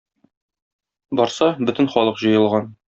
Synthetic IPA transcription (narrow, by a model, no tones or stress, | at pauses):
bɒɾsɑbɵ̆t̪ɘ̆nχɒlˠɤqʑɤ̆jɤ̆lˠʁɑn